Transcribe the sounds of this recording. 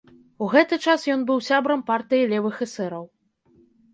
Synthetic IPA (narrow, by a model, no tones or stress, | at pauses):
uɣɛt̪ɨt͡ʂasjɔn̪bɨwsʲabɾɐmpart̪ɨjilʲɛvɨxɛsɛɾɐw